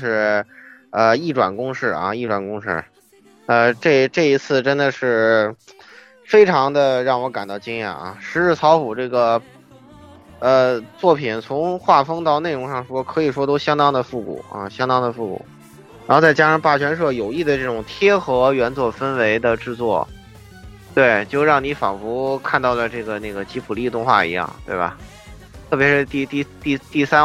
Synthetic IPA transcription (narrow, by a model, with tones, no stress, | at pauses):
ʂɻ̩˥˧ | ə˧i˥˩ʈ͡ʂwa̰˨˩nkʊ˥ŋʂɻ̩˥˩ɐ̰˧i˥˩ʈ͡ʂwa˨˩nkʊ˥ŋʂɻ̩˥˩ | ə˧ʈ͡ʂɤ˥˩ʈ͡ʂɤ˥˩i˧˥t͡sʰɹ̩˥˩ʈ͡ʂə˥nd̪ə˨ʂɻ̩˥˩ | fe˥ɪʈ͡ʂʰɑ˧˥ŋd̪ə˧ɻɑ˥˩ŋwɔ˧˥ka˨˩nt̪ɑ˥˩ʊt͡ɕi˥ŋjɛ̰˥˩nɐ̰˧˩ʂɻ̩˧˥ɻɻ̩˥˩t͡sʰɑ˧˥ʊfu˨˩ʈ͡ʂɤ˥˩ɡə˩ | ə˧t͡swɔ˥˩pʰi˨˩nt͡sʰʊ˧˥ŋxwa˥˩fɤ˥ŋt̪ɑ˥˧ʊne˥˩ɪɻʊ˧˥ŋʂɑ˥˩ŋʂwɔ˥kʰɤ˧˥i˨˩ʂwɔ˥t̪o˥ʊɕjɑ˥ŋt̪ɑ˥ŋd̪ə˨fu˥˩kṵ˨˩˦ə̰˧ɕjɑ˥ŋt̪ɑ˥ŋd̪ə˨˧fu˥˩kṵ˨˩˦ | ɻa˧˥xo˥˧ʊt͡sa˥˧˩ɪt͡ɕja˥ʂɑ˥˧pa˥˩t͡ɕʰɥɛ˧˥nʂ̬wɤ˥˩jo˨˩ʊi˥˩d̪ə˩ʈ͡ʂɤ˥˩ʈ͡ʂʊ˨˩ŋt̪ʰjɛ˥xɤ˧˥ɥɛ˧˥nt͡swɔ˨˩fə˥nwe˧˥ɪd̪ə˧ʈ͡ʂɻ̩˥˧t͡swɔ̰˥˩ | t̪we˥˩ɪt͡ɕjo˥˧ʊɻɑ˥˩ŋni˧˥fɑ̰˨˩ŋfu˧˥kʰa˥˧nt̪ɑ˥˩ʊlə˩ʈ͡ʂɤ˥˩ɡə˩na˥˩ɡə˩t͡ɕi˧˥pʰu˨˩li˥˧t̪ʊ˥˧ŋxwa̰˥˩ḭ˧˥jɑ̰˥˩ŋt̪we˥˩ɪbɐ̰˩ | t̪ʰɤ˥˩pjɛ˧˥ʂɻ̩˥˧t̪i˥˧t̪i˥˧t̪i˥˩˧t̪i˥˩sa˥